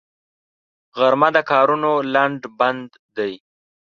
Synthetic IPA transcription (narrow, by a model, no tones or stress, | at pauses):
ɣaɾmad̪əkɑːɾunolaɳɖband̪ːaj